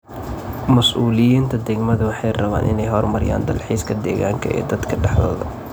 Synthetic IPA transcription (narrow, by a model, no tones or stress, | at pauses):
mɐsʔuːlɪjiːnt̪ʰɐd̪ɛɡmɐðʊwɑħɑjrɐβa̰ːnʔɪ̰nɛjɦɔrmɐɾɪja̰ːnd̪ɐlħiːskʰɐd̪ɛːɣaːŋkʰɐ̰ʔɛ̰ːd̪ɐd̪kʰɐɖɛħðɔ̰ːðɐ̰